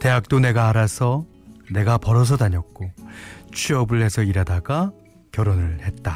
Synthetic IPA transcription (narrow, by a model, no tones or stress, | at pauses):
te̞ɦak̚t͈one̞ɡaaɾasʰʌ | ne̞ɡapʌɾʌs̬ʰʌdaɲʌk̚k͈ot͡ɕʰiʌbɯɭɦe̞sʰʌiɾadaɡa | kjʌɾonɯɭhe̞t̚t͈a